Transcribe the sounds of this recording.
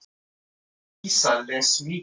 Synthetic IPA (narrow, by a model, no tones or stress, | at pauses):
isalɛswi